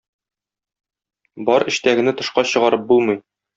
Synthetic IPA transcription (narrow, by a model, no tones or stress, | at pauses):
bɒɾɘ̆ɕt̪æɡɘ̆nɘt̪ɤ̆ʃqɑɕɤ̆ʁɑɾɤp̚bulˠmɤj